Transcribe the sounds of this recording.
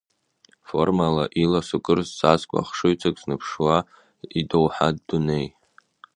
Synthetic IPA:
fo̞̰rmalaʔilasukʼɨrzzazkʷʼa̰χʂɨɥt͡sʰakʼznɨpʰʂwa | idowħadːune̞j

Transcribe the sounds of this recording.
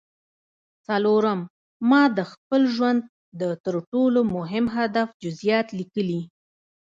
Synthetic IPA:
t͡saloɾəmː | ɑd̪əxpəlʒwand̪̚ | d̪ət̪əɾʈolomʊɦɪmɦad̪afd͡ʒʊzjɑt̪likəli

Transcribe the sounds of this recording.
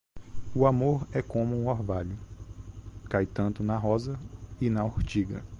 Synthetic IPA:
ʊamoɾɛkõmʊũɔɾvaʎʊ | kajt̪ɐ̃nt̪ʊnɐɦɔzɐɪnɐoɾt͡ʃiɡɐ̰

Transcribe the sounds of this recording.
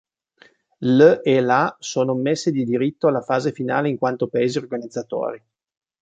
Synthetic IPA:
lelasoːnomesːed̪id̪iɾit̪ːoalafaːzefinaːleiŋkwant̪opaeːziorɡanid̪zːat̪o̰ːɾi

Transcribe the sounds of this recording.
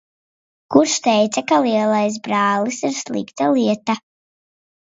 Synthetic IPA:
kuɾʃt̪ɛjt̪sakalˠiɛlˠajs̬bɾaːlisiɾslˠḭkt̪alˠiɛt̪a

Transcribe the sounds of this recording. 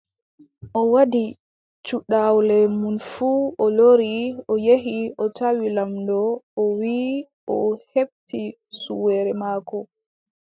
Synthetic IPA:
ʔɔwadi | t͡ʃuɗawlɛmunfuɔloɾiɔjeɦiʔɔtawilamdɔɔwi | ʔɔheb̚ti | suwɛːɾɛmaːkɔ

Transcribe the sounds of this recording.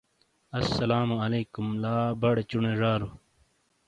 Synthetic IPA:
ɐsːɐlaːmɐleːkumlaːbɐɽet͡ɕuneʐaːɾu

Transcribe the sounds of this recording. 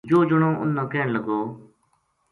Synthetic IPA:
d͡ʒoːd͡ʒəɳ̃õːʔʊ̰nːãːkɛːɳləɡoː

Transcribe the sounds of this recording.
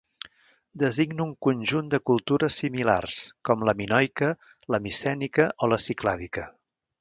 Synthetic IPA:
d̪əziɡnuŋkunʲʒund̪əkulˠt̪uɾəsimila̰rskɔmləminɔjkə | ləmisɛnikəʔoləsiklaðikə

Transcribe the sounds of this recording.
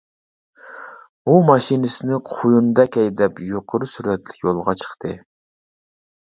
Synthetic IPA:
umɑʃinɪsɪnɪqʰujund̪ɑkʲʰɛjd̪ɛpjoqʰʊɾusyɾɛt̪ʰlɪ̥kʲjolˠʁɑt͡ʃʰə̥χt̪ʰɨ

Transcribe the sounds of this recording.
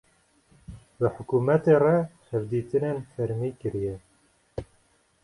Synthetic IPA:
bəħʊkuːmɛt̪erɛhɛvd̪iːt̪ɨnenfɛɾmiːkɨɾijɛ

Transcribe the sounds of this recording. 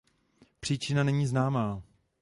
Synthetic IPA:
pr̥iːt͡ʃɪnanɛɲiːznaːmaː

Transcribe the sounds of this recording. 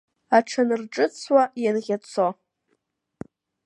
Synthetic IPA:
aʈ͡ʂʰanɨrʈ͡ʂʼɨt͡sʰwajanʁʲat͡sʰo

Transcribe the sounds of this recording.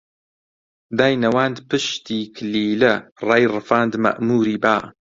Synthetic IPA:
d̪aːjnɐwaːnd̪pɨʃt̪ʰiːkʰɨliːlɐraːjrɨfaːnd̪mɐ̰ʔmuːɾiːbaː

